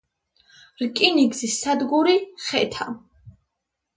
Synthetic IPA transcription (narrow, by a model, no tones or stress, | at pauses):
ɾkʼiniɡzisːad̪ɡuɾiχɛt̪ʰa